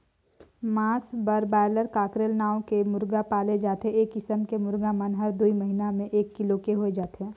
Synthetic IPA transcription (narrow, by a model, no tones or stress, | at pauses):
maːsbəɾbaːləɾkaːkɾelnaːõkemʊɾɡapaːled͡ʒaːt̪eɦẽeːkːɪsəmkemʊɾɡamənɦɐɾd̪uiməɦinamẽʔeːkːɪlokeɦoed͡ʒaːt̪eɦɛ̃ː